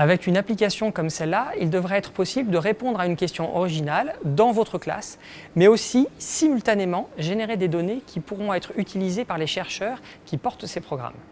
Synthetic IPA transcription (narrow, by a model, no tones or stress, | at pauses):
avɛkynaplikasjɔ̃kɔmsɛlːaild̪əvʁɛɛt̪χə̥pɔsibləd̪əʁepɔ̃d̪ʁaynkʲɛst̪jɔ̃ʔɔʁiʒinald̪ɑ̃vot̪χəkla̰s | mɛosisimylt̪anemɑ̃ʒeneʁed̪ed̪ɔnekʲʰipuʁɔ̃ɛt̪χyt̪ʰilizepaʁleʃɛʁʃœːʁ | kʲipɔʁt̪sepχɔɡʁa̰m